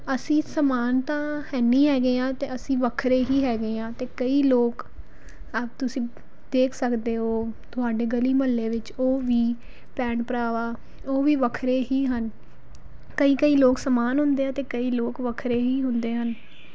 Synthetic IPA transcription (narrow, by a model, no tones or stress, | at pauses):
əsĩːsəmaːnt̪ãːhɛːniːɦɛːɡeːãːt̪eːəsĩːʋəkʰɾeːɦiːɦɛːɡeːãːt̪eːkəiːloːk | əbt̪ʊsĩː | d̪eːkʰsəkd̪eːɦoːt̪ʊɦaːɖeːɡəliːməlːeːʋɪt͡ʃoːʋiː | pɛːɳpəɾaːʋaː | oːʋiːʋəkʰɾeːɦiːɦən | kəiːkəiːloːksəmaːnɦʊ̃nd̪eːãːt̪eːkəiːloːkʋəkʰɾeːɦiːɦʊnd̪eːɦən